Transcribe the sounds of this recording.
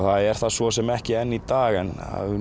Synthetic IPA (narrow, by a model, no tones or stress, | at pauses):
θaðɛɾ̥θaðsvɔsɛmɛhcɪɛnːit̪aːɣɛna̰ðʏ